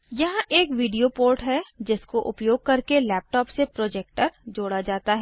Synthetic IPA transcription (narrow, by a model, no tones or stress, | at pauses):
jɐɦãʔeːkʋiːɖijopoːɾʈɦɛd͡ʒɪskoʔʊpjoːɡ̚kɐɾkelɛːp̚ʈɔːpsepɾoːd͡ʒeːk̚ʈəɾd͡ʒoːɽad͡ʒaːt̪aɦɛː